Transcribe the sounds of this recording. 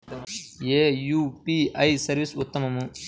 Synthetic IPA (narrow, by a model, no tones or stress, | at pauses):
eːjuːpiɐjsɐɾʋisut̪ːɐmɐmu